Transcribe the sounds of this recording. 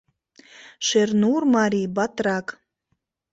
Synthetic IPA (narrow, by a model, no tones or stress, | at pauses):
ʃernurmɑɾʲibat̪rɑk